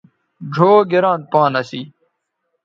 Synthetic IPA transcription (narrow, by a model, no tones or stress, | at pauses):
ɖʱoːɡiɾãːn̚pãːnɐsiː